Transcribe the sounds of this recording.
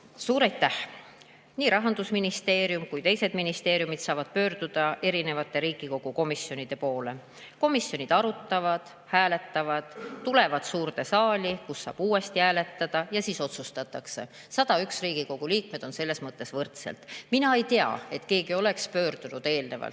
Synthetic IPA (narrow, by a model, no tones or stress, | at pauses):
suːɾɑjt̪ːˑæh | niːɾɑɦɑnd̪̥usminist̪e̞ːɾjumkujt̪e̞jse̞d̪̥minist̪e̞ːɾijumit̪sɑːvɑd̪̥̚pø̞ːɾd̪̥ud̪̥ɑe̞ɾine̞vɑt̪ːˑe̞ɾiːɡ̥iko̞ɡ̥uko̞misjo̞nid̪̥e̞po̞ːle̞ | ko̞misːjo̞nid̪̥ɑɾut̪ːˑɑvɑd̪̥ | hæːle̞t̪ːɑvɑd̪̥t̪ːule̞vɑd̪̥suːɾt̪e̞sɑːlʲikusːɑ̰ːb̥uːe̞st̪iæːle̞t̪ːˑɑd̪̥ɑjɑsiːso̞t̪sust̪ɑt̪ːˑɑkse̞̰ | sɑd̪̥ɑyksriːɡ̥iko̞ɡ̥uliːk̚me̞d̪̥o̞nse̞lːesmɤt̪ˑːe̞svɤrt̪sḛlt̪minɑe̞jt̪e̞ɑ̰e̞t̪ke̞ːɡio̞le̞kspø̞ːrd̪̥unud̪̥e̞ːlne̞vɑ̰lt̪ː